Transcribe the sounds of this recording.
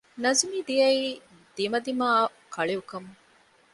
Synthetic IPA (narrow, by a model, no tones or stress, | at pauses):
nɐzumiːd̪ijɐiː | d̪̥imɐd̪imaː | kʰɐɭiukɐm